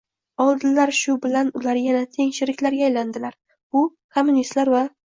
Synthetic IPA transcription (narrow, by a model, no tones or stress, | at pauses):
ɒlˠd̪ɪlaɾʃʊbɪlanʊlaɾjanat̪ʰe̞ŋʃɪɾɪkʲlaɾɡʲaːjland̪ɪlaɾ | ʊ | kʰo̞mːʊnist̪laɾva